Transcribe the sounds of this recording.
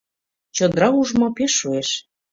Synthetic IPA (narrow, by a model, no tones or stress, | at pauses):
t͡ɕod̪ɾɑuʒmɑpeʃːueʃ